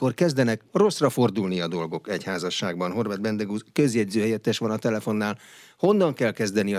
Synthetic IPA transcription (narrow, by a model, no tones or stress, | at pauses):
ko̞rkɛzd̪ɛnɛkro̞srɒfo̞rd̪ulniɒd̪o̞lɡo̞kɛchaːzɒʃːaːɡ̚bɒnɦo̞rvɛd̪̚bɛnd̪ɛɡuzkøzjɛɟzøːɦɛjɛt̪ːɛʃʋɒnɒt̪ɛlɛfo̞nːaːl | ho̞nːɒŋkɛlkɛzd̪ɛniɒ